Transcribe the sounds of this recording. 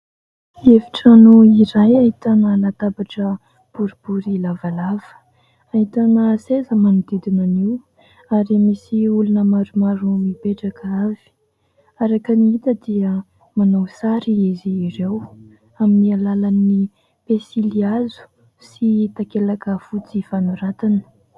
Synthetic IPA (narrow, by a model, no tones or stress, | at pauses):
eviʈ͡ʂanuiɾajaɦit̪anəlat̪abaʈ͡ʂə | b̥uɾibuɾilavalav̥ə̥ | aɦit̪anəsezəmanud̪ed̪inaniw | aɾimisiulunəmaɾumaɾumibeʈ͡ʂakavi̥ | aɾakəniit̪əd̪iə | manawsaɾiiziːɾew | aminialalani | pesiliazu̥ | sit̪akelakəfut͡sifanuɾat̪anə̥